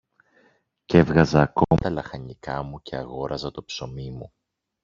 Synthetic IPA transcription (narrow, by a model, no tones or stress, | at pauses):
ce̞vɣɐzɐːkot̪ɐlɐxɐɲikɐmuce̞ɐɣo̞ɾɐzɐt̪o̞pso̞mimu